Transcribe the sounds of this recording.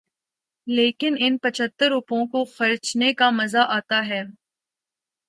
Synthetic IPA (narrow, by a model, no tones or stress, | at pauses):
leːkɪnɪnpɐt͡ʃʰət̪ːəɾʊpõkoxɐɾt͡ʃnekamɐzaʔaːt̪aɦɛː